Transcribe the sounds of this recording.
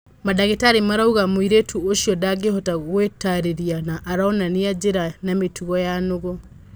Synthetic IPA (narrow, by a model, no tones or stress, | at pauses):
madaɣetaːɾemaɾauɣamwiɾetʰuoʃiɔdaɡehɔtaɣwetaɾeɾianaʔːɾaɔnaniad͡ʒeɾanametuɣɔjanoɣo